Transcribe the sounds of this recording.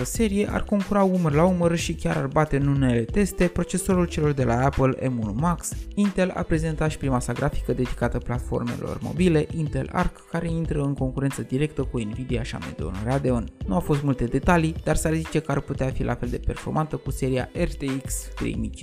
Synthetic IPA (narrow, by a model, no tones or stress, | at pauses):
əse̞ɾije̞ʔa̰rko̞ŋkuɾaumərlaumərʃikʲaɾarbat̪e̞ɨnune̞le̞t̪e̞st̪e̞pɾo̞t͡ʃe̞soɾult͡ʃe̞lo̞rd̪e̞laapəlḛmunumaksint̪e̞la̰pɾe̞ze̞nt̪at̪ʃi̥pɾimasaɡɾʔafi̥kəd̪e̞d̪ikat̪əplat̪fo̞̰rme̞̰lo̞̰rmo̞̰bile̞ʔint̪e̞̰la̰rkːaɾe̞int̪ɾəɨŋko̞ŋkuɾent̪səd̪iɾe̞k̚t̪əkuinvid̪iaʃia̰mḛd̪o̰nrad̪e̞onnuafo̞st̪mult̪e̞d̪e̞t̪alid̪̥arsarzit͡ʃe̞kəarput̪eafilʔa̰fe̞ld̪e̞pe̞rfo̞rmʔant̪əkuse̞ɾia̰ʔe̞rt̪eiksk̪ɾḛjmit͡ʃi